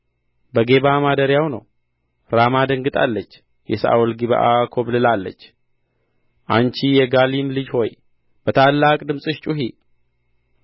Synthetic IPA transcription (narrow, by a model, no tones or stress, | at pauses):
bəɡe̞βamad̪əɾjawnə̰w | ɾamad̪əŋɡɨt̪ʼa̰lːət͡ʃː | jɛsaʔa̰ulɡiβa̰ʔakʰo̞βlɨlalːə̰t͡ʃː | ʔant͡ʃijɛɡalimlɨd͡ʒho̞j | b̥ət̪ʰalːakʼd̪ɨmsʼɨʃt͡ʃʼuɦi